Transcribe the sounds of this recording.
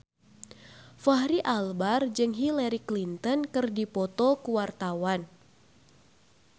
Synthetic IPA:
faɦɾiʔalbard͡ʒɨŋɦilaɾiklint̪ɔnkɨrdipɔt̪ɔkuwart̪awan

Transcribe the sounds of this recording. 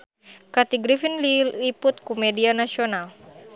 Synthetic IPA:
kat̪iɡɾifinliliput̪̚kumɛdianasiɔnal

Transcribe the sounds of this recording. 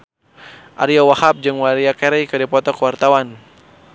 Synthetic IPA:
ʔa̰ɾiawahap̚d͡ʒɨŋwaɾiakɛɾɛjkɨdipɔt̪ɔkəwart̪awan

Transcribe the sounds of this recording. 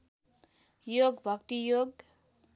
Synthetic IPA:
joɡbʱʌkt̪ijoɡ

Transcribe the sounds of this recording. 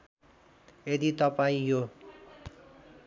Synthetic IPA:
ed̪it̪ʌpaĩjo

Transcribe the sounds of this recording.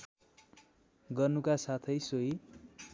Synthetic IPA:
ɡʌrnukasat̪ʰʌjsoi

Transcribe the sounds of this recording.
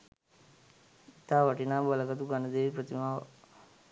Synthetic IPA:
it̪aːʋaʈinaːbaləɡat̪uɡanəd̪eːʋipɾət̪imaːʋə

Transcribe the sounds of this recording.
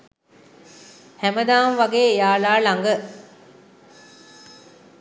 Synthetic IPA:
hæməd̪aːmʋaɡeːejaːlaːlaŋɡə

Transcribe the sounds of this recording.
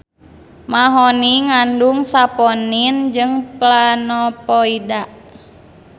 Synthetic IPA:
maɦɔniŋanduŋsapɔnind͡ʒɨŋplanɔpɔidaʔ

